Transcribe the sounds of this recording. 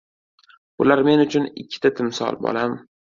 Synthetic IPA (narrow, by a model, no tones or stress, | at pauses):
bʊlaɾme̞nʊt͡ʃʰʊnɪkʲʰːɪ̥t̪ʰat̪ʰɪmsɒ̰lˠbɒ̰lam